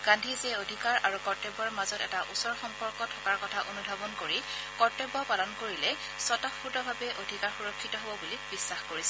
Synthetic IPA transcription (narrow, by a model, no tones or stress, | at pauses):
ɡ̥ãndʱizɛodʱikaɹaɹukɔɹtebɔɹmazɔtɛtaʔusɔɹxɔmpɔɹkɔtʰɔkaɹkɔtʰaʔonudʱabɔnkoɹi | kɔɹtebɔpalɔnkoɹilɛ | sɔtɔpʰuɹdɔbʱabɛʔodʱikaɹxuɹɔkʰːitɔɦobɔbulibisːaxkoɹisɛ